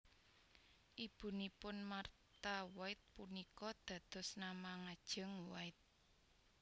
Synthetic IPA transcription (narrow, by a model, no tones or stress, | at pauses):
ʔib̥ṳnipʊnmart̪awaɪt̪̚punikɔd̪̥ä̤d̪̥ɔ̤snamaŋad̥ʒ̥ə̤ŋwaɪt̪̚